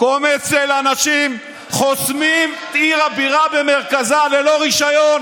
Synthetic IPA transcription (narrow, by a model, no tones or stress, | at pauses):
komet͡selanaʃim | χosmimt̪iʁabiʁabemeʁkazalelo̞ʁiʃajon